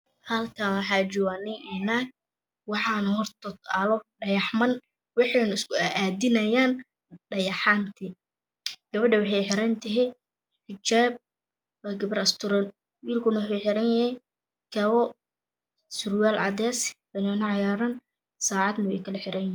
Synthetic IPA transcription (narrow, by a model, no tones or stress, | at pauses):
hɐlkʰɐnwɑħɑːt͡ʃɔɣanɪŋʔɛnaɡ̚ | wɑħɑnhɔrt̪ʰɔt̪alɔɖɐjɑħmɐn | wɑħenɪskʰʊaʔaːd̪ɪnɐjaːn | ɖɐjɑħaːnt̪ʰi | ɡ̥ɐβɐɖɐwɑħɑjħɪɾɐnt̪ʰɛɦɛ | ħɪt͡ʃaːb̚ | waːɡɐβɐɾɐst̪ʰʊɾɔn | wiːlkʰʊnɐwʊħʊjħɪɾɐnjɐhɛj | kʰɐβɔ | sʊrwaːlʕɑ̰d̪ɛːsbɐnɛnɐʕɑjaːɾɐn | saːʕɑd̪nɐwɛjkʰɐlɐħɪɾɐnɪ